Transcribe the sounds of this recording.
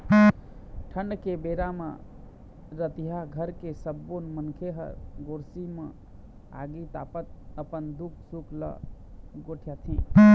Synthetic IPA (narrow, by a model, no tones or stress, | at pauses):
ʈʰəɳɖkebeɾamə̰̃ | ɾət̪iɦaɡʱəɾkesəbːonmənkʰeɦə̰ɾɡoɾsimə̰̃ | a̰ɡit̪a̰pət̪̚əpənd̪uk̚ʰsukʰlə̰ɡoʈʰijat̪ʰĩ